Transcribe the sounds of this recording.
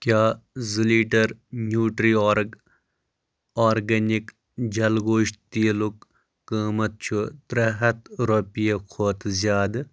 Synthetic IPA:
kʲjaːziliːʈɐɾnjuːʈɾioːɾɡ | aːɾɡɐnik | d͡ʒɐlɡoːʃt̪iːlukː | əːmɐt̪̚t͡ʃʰut̪ɾɐɦɐt̪ɾopijekʰoːt̪zjaːd̪ɨ

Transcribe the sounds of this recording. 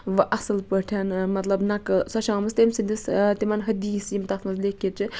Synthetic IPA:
ʋɨʔɐsɨlpəʈʰanmɐt̪lɐbnɐksɐʃãːmɐst̪emsind̪ist̪imɐnɦɐd̪iːsimt̪ɐt̪mɐzlekːiɾt͡ʃʰi

